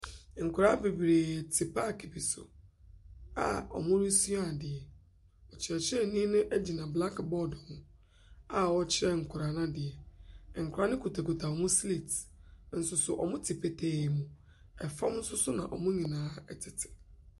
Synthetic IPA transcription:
ŋ̩˨kʰʊ˨ɾa˦be˨bɾeː˨tʰɪ˨pʰa˦˨kʰe˨pi˨sʊ̰˨ | a̰˨ɔ̰˨mʊ̃˦ɾi˦su˦a˦˨dɪ˨ɛ˨ | ɔ˨t͡ɕʰɪ˨ɾɛ˨t͡ɕʰɪ˦ɛ˦nĩ˦nʊ̃˦ʔɛ˦d͡ʑi˨nã˨bla˦kbɔ˦dhʊ̃˨ | a˨wɔ˦t͡ɕʰɪ˦ɾɛ˦ŋ̩˨kʰʊ˨ɾa˨nã˦dɪ˨ɛ˨ŋ̩˨kʰʊ˨ɾa˨˦nɪ̃˦kʰu˨tʰa˨ko˨tʰa˨ɔ˨mʊ̃˦sli˨tn̩˨sʊ˨sʊ˨ʔɔ̰˨mʊ̃˦tʰɪ˨pʰe˨tʰeː˨mũ˨ | ɛ˨fã˦m˦n̩˦sʊ˦sʊ˦nã̰˨ʔɔ̰˨mʊ̃˦ɲĩ˨nãː˨˦ɛ˨tʰɪ˨tʰɪ̥˨

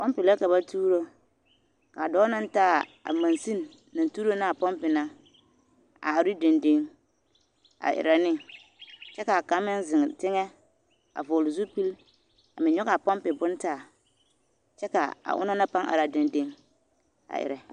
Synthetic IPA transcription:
pɔ˦mpɪ˨lɛ˦ka˨ba˦tʰuː˦ɾo˦ | ka˨dɔː˦na˦n˦taː˦˨a̰˨mã˨nsi˦nː | ã˨n˨tuː˦ɾo˦na˦˨a˨pɔ˦mpɪ˨na˦ | a̰˨ɾɪ˦de˨nde˦ŋ | a̰˨ʔɪ̰˨ɾɛ˨nɪ˦ | t͡ʃɛ˦ka˨a˨ka˨˦mɪ˦nzɪ˨ŋ˨tɪ˦ŋɛ˦ | a̰˨vʊː˨lʊ˨zu˦pi˦l | a̰˨mɪ̃˨ɲɔ˦ɡa˨pɔ˦mpɪ˨bʊ˦ntaː˦˨ | t͡ʃɛ˦ka˨a̰˨ʔʊ̰˦na˦na˦pa˦ŋʔa̰˨ɾa˨da˨nde˦ŋ | a̰˨ʔɪ̰˨ɾɛ˨

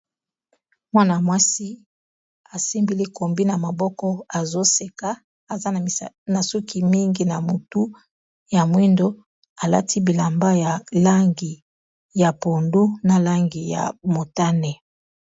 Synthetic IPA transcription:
mwa˦na˨mwa˦si˦ | a˨si˦mbi˨li˦ko˨mbi˦na˨ma˨bɔ˦kɔ˦a˨zo˦se˨ka˦ | a˨za˦n˨ | na˨su˦ki˨mi˦ŋɡi˦na˨mu˨tu˦ | ja˨mwi˦ndo˦ | a˨la̰˦tʰi˦bi˨la˨mba˦ja˨la˦ŋɡi˨ | ja˨po˨ndu˦na˨la˦ŋɡi˨ja̰˨mo˨ta˦nɛ˨

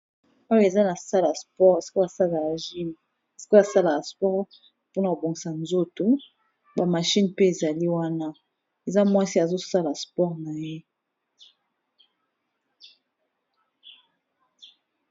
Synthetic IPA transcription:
ɔ˦jo˦e˨za˦na˨sa˦la˨spɔ˦ʁe˨si̥˨ko˦a˨sa˦la˨aa˨ʒi˦n˨ | e˨si̥˨˦ko˦a˨sa˦la˨ka˨spɔ˦ʁ | po˦na˨ko˨bo˨ŋɡi˨sa˨nzo˦to˨ | ba˨ma˨ʃi˦npe˦e˨za˨li˦wa˦na˦ | e˨za˦mwa˦si˦a˨zo˦sa˦la˨spɔ˦ʁna˨je˦

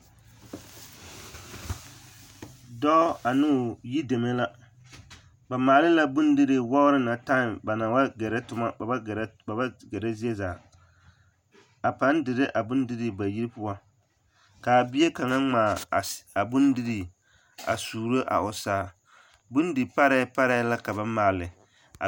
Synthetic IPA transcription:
dɔ˦a˨nʊ˦˨ji˦de˨me˦la˦ | ba˨maː˨lɪ˦la˦bʊ˦ndɪ˦ɾɪ˨wɔ˦ɾɪ˦na˨ta˦ɪ˨mba˨na˨wa˦ɡɛ˨ɾɛ˦tʊ˦ma˦˨˦ba˨ba˦ɡɛ˨ɾɛ˦zi˦e˦zaː˨ | a˨pa˦ndɪ˨ɾɪ˦ʔa˨bʊ˦ndɪ˦ɾi˨ba˨ji˦ɾpʊ˦wa˦ | ka˨bi˦e˦ka˨ŋa˦ŋ͡maː˨a˨bʊ˦ndɪ˦ɾi˨ | a̰˨suː˨ɾo˦ʔa̰˨ʊ˨saː˦˨ | bʊ˦n˦dɨ˨pa˦ɾɛ˦pa˦ɾa˦la˦ka˨ba˦maː˨lɪ˨ | a̰˨

